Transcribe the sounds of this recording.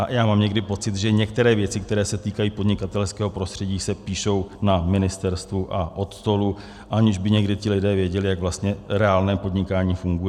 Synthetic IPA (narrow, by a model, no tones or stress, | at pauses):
ajaːmaːmɲɛɡdɪpo̞t͡sɪt̪ʒɛɲɛk̚t̪ɛɾɛːvjɛt͡sɪk̚t̪ɛɾɛːsɛt̪iːkajiːpo̞dɲɪkat̪ɛlskɛːɦo̞pɾo̞st̪r̥ɛɟiːsɛpiːʃo̞wnamɪnɪst̪ɛɾst̪vuʔaʔo̞t̪st̪o̞lu | ʔaɲɪʒbɪɲɛɡdɪt̪ɪlɪdɛːvjɛɟɛlɪjaɡvlast̪ɲɛɾɛaːlnɛːpo̞d̪ɲɪkaːɲiːfuŋɡujɛ